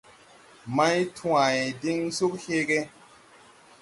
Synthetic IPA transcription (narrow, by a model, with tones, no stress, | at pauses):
ma˦jtʰu˦a˨i˨di˦ŋsu˦k̚he˦ɡe˦